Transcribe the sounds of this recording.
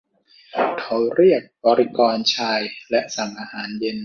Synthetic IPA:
k̪ʰa˨˦wɾi˥˩ək̚bɔː˧ɾi˦˥kɔː˧nt͡ɕʰaː˧jlɛ˦˥ʔsa˩˦ŋʔaː˧haː˩˦nje˧n

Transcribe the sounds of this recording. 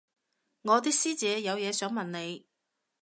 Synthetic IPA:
ŋɔː˨˧t̪̬iː˥k̚siː˥t͡sɛː˨˧jɐ˨˧wjɛː˨˧sœː˨˥ŋmɐ˨nne˨˧j

